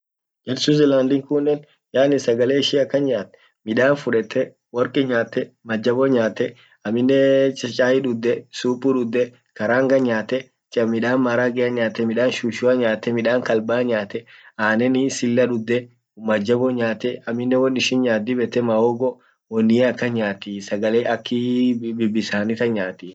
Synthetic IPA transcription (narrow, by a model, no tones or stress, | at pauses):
d͡ʒɛɾsuzɛlaːnd̪ɪŋkʊnːɛn | jaːnɪsɐɡɐleːɪʃɪɐkːɐnɲaːt̪ːɛ̥ | mɪᶑaːnfʊᶑɛt̪ːɛ | wɔɾkʼɪɲaːt̪ːɛmɐd͡ʒːɐbɔɲaːt̪ːɛ | ɐmɪnːɛt͡ʃʼɐt͡ʃʼaːjɪᶑʊd̪ːɛsuːpʼuᶑʊd̪ːɛ | kɐɾaːŋɡɐɲaːt̪ɛ | t͡ʃʼɐmɪᶑaːnmaɾaɡɛɐɲaːt̪ːɛmɪᶑaːnʃuːʃʊɐɲaːt̪ːɛmɪᶑaːŋkɐlbaːɲaːt̪ɛaːnɛnɪsɪlːɐᶑʊd̪ːɛ | mɐd͡ʒːɐbɔɲaːt̪ɛɐmɪnːɛwɔnːɪʃɪnɲaːd̪ɪbɛt̪ːɛmɐoɡɔ | wɔnːɪɐkːɐɲaːt̪isɐɡɐleːʔɐkːɪbɪbːɪsaːnɪt̪ɐɲaːt̪ɪ